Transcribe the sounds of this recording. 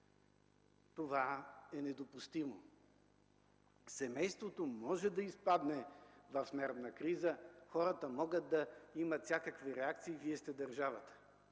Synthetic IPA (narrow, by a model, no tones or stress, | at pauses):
t̪ovaɛnɛd̪opust̪imo̰ | sɛmɛjst̪vot̪omɔʒɛd̪ɐispad̪nɛvɐfsmɛɾt̪nɐkɾizəxɔɾət̪əmɔɡət̪̚d̪ɐimət̪sʲjakəkviɾɛak̚t̪siːviɛst̪ɛd̪ɐɾʒavət̪ə̥